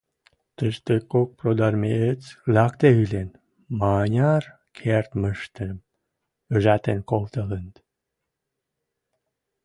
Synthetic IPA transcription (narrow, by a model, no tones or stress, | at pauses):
t̪əʃt̪əkːok̚prod̪ɑrmeet͡slɑkt̪eylen | mɑnʲɑr | kʰert̪məʃt̪əm | øʒæt̪enkolt̪ələnt̪